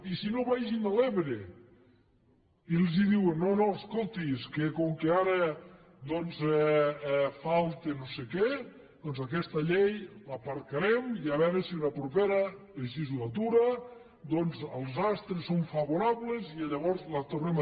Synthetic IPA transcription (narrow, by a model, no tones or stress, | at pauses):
isinoβajʒinaleβɾe | ilˠziðiwenːonoskolˠt̪iskekoŋkeaɾe | d̪ɔnzɛɛfalˠt̪enosekɛ | d̪ɔnzakɛst̪aʎejlapaɾkaɾemiaβɛɾesiunapɾupeɾa | eʒizlat̪̬uɾa | d̪ɔnzəlˠzast̪ɾesːoɱfaβoɾaβleziaʎaβɔɾzlat̪ornem